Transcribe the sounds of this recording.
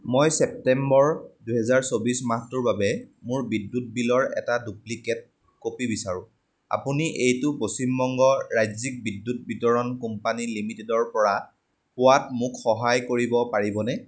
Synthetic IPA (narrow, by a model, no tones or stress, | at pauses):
mojsɛp̚tɛmbɔɹduɦɛzaɹsobismatʊɹbabɛmʊɹbidːut̚bilɔɹɛ̰taduplikɛt̚ | kopibisaɹʊ̃ | a̰puniʔejtʊposimbɔŋɡɔɹajzik̚bidːut̚bitɔɹɔnkumpanilimitɛdɔɹpɔɹa | pʊwatmʊkxɔɦajkoɹibɔpaɹibɔnɛ